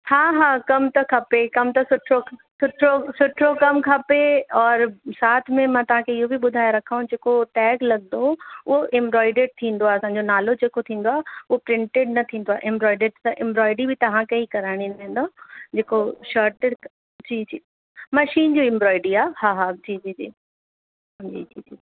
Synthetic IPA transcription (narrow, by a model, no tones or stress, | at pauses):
haːɦaːkɐmt̪ɐkʰɐpekɐmt̪ɐsʊʈʰɾosʊʈʰosʊʈʰɾokɐmkʰɐpeɔːɾsaːt̪ʰmẽmãːt̪ɐʋ̤ãkʰeɪɦobʱiɓʊd̪ʱaːjɾɐkʰaũd͡ʑeːkoʈɛːɡlɐɡ̚d̪oʊɦoʔɪ̃mbɾɔːɪɖeɖ̚t̪ʰĩːn̆d̪oaɦɐsãːɲ̆d͡ʑonaːlod͡ʑeːkot̪ʰĩːn̆d̪oaːɦʊɦopɾɪ̃ɳʈeɖ̚nɐt̪ʰĩːnd̪oaːeʔɪ̃mbɾɔːɪɖeːɖt̪ɐʔɪ̃mbɾɔːɪɖibʱɪt̪ɐʋ̤ãkɐikɐɾaːɪɽ̃inɐẽn̆d̪oːd͡ʑeːkoʃaːɾʈeɖ | d͡ʑiːd͡ʑiː | mɐʃiːnd͡ʑiːɪ̃mbɾɔːɪɖiaːhaːɦad͡ʑiːd͡ʑiːd͡ʑiː | d͡ʑḭːd͡ʑiːd͡ʑiː